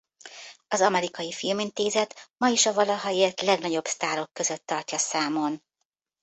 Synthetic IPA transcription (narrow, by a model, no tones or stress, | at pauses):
ɒzɒmɛɾikɒjifilmint̪eːzɛt̪mɒiʃɒvɒlɒɦɒeːrt̪lɛɡnɒɟo̞bst̪aːɾo̞kːø̞zøt̪ːɒrcɒsaːmo̞n